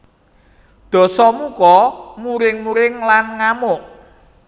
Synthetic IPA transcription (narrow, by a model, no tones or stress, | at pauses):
d̪̥ɔ̤sɔmukɔmuɾɪŋmuɾɪŋlanŋamʊʔ